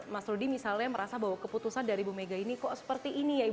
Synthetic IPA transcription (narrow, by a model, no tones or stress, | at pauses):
masɾudimisalɲaməɾʔasabawakəput̪usandaɾibumeɡainikɔsə̥pərt̪iʔːnijai